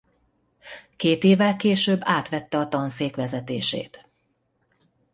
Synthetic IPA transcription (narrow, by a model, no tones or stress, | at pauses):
keːt̪eːvɛlkeːʃøːbːaːt̪ʋɛt̪ːɛɒt̪ɒnseːkʋɛzɛt̪eːʃḛːt̪